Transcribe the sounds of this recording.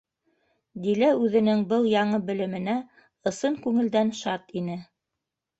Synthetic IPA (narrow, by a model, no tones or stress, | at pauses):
d̪ilæʉðɘ̆nɘŋbɤlˠjɑɴɤbɘ̆lɘ̆mɘ̆næ | ɤ̆sɤŋkʉŋɘ̆ld̪ænʃɑt̪inɘ